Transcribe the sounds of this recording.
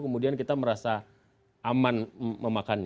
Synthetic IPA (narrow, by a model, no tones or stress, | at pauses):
kəmudiankit̪aməɾasa | ʔamanməmakanɲ